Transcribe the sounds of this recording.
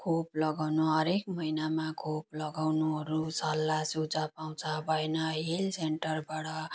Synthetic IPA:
kʰoplʌɡawnuɦʌɾekmʌinamakʰoplʌɡawnuɦʌɾusʌlːasud͡zʌpaw̃t͡sʰʌbʱʌenʌɦelseɳʈʌrbaɽʌ

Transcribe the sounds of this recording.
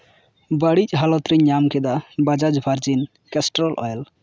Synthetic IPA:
bəɽit͡ʃʼɦalɔt̪ɾiɲamkɛd̪abad͡ʒad͡ʒbʱaɾd͡ʒin | kɛsʈɾɔlʔɔ̰jl

